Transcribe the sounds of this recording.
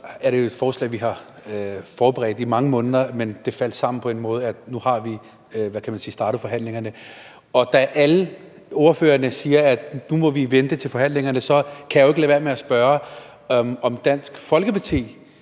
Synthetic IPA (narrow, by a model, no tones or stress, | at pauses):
æɐɾ̥e̝oe̝d̥fɒːslɛ̰ɪ̰ʋiɦɑ̈ | fɒːb̥əʁɛ̰ːd̥imɑ̈ŋəmɔ̽ːnð̞ˠɐmend̥e̝fæl̰sɑ̈m̰n̩pʰɒ̽e̝nmɔ̽ːð̞ˠæd̥nuhɑ̈ʋi | ʋækʰæmænsiːsd̥ɑ̈ːɾ̥ð̩ˠfɒ̽ɦæn̰le̝ŋɐnə | ɒ̽d̥æʔælə | ɔɐfø̰ːɐnəsiːɐæd̥numɒ̽ʋiʋend̥ət͡sʰe̝lfɒ̽hæn̰le̝ŋɐnəsɒ̽kʰæjɑʊe̝ɡ̥lɛːʋeɐmeæsb̥ɶːɐ | ɒ̽md̥æn̰sɡ̥fɒ̽lɡ̥əpʰɑ̈t͡sʰe̝̰ː